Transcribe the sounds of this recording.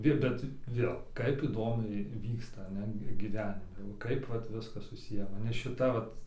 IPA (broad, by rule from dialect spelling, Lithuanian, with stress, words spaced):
ˈʋʲɪ bʲɛt ˈʋʲeːlˠ ˈkɐɪp iːˈdoːmʲɛɪ ˈʋʲiːkstɐ ˈnʲɛt ɡʲɪˈʋʲæːnʲɪmʲɛ ˈkɐɪp ʋɐt ˈʋʲɪskɐs sʊˈsʲɪjæː mɐˈnʲɛ ʃʲɪˈtɐ ˈʋɐt